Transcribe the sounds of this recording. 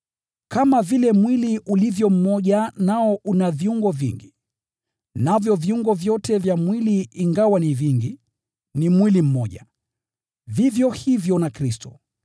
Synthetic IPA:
kamavilɛmwiliʔulivjɔm̩mɔʄanaɔʔunaviuŋɡɔvḭŋɡi | navjɔviuŋɡɔvjɔtʰɛvjamwiliːŋɡawaniviŋɡi | nimwilim̩mɔʄa | vivjɔhivjɔnakɾistɔ

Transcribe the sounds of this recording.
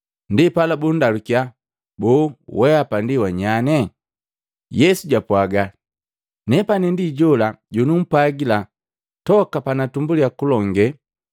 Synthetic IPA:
ndipalabundalukia | bɔːwɛapandiwaɲanɛ | jɛsuɟapwaɡa | nɛpanɛndiɟɔlaɟɔnum̩paɡila | tɔkapanatumbuliakulɔŋɡɛ

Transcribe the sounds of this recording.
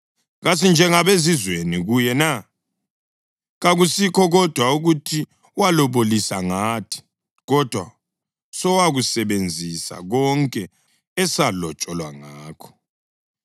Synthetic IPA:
ɣasind͡ʒʱɛŋaβezizweniɣujɛna | ɣaɣusikʰɔɣɔd̥ʱwauɣutʰi | walɔβolisaŋaːtʰi̥ | ɣɔd̥ʱwa̰ | sɔwaɣusɛβend͡zʱisa̰ɣɔŋkʼɛː | salɔt͡ʃʼɔlwa̰ŋaːkʰɔ̥

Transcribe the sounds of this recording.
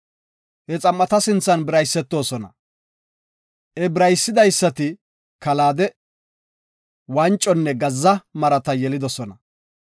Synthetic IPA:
hɛt͡sʼɐmːɐt̪ɐsɪnt͡sːɐnbɪɾɐjsːɛt̪ːo̞ːsɔnɐ̰ | ʔɛbɪɾɐjsːɪd̪ɐjsːɐt̪ɪ | kɐlaːd̪ɛ | wɐnt͡ʃʼːɔnːɛɡɐzːɐmɐɾɐt̪ɐjɛlɪd̪ɔsɔnɐ

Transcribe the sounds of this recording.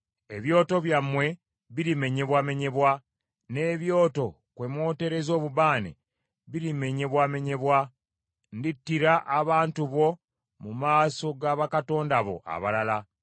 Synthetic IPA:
e̞βjo̞ːto̞βjamwe̞ | βiɾime̞ɲe̞βwame̞ɲe̞βwa | ne̞ːβjo̞ːto̞ | kwe̞mwo̞ːte̞ɾe̞zo̞ːβuβaːnḛ | βiɾime̞ɲe̞βwame̞ɲe̞βwa | nditːiɾaʔːβaːntuβo̞ | mumaːso̞ɡaβakato̞ːndaβo̞̰ʔa̰βalala

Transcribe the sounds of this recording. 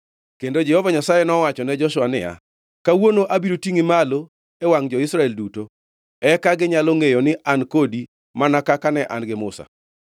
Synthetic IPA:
kendod͡ʒɛhɔvaɲasajenɔwat͡ʃɔnɛd͡ʒɔʃʊwanɪ̰ja̰ | kawonoʔabiɾotiŋɪmalo | ewaŋd͡ʒɔɪsɾaɛlduto | ɛkaɡɪɲalɔŋejonɪʔʔankodi | manakakanɛʔa̰nɡɪmʊsa̰

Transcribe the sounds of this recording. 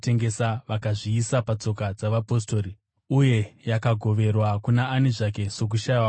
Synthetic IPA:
te̞ŋɡe̞saʋakaʐiːsapat͡so̞kad͡zaʋapo̞sto̞ːri | uje̞jakaɡʱo̞ʋe̞rwakunaːneʐak̬e̞so̞k̬uʃaa

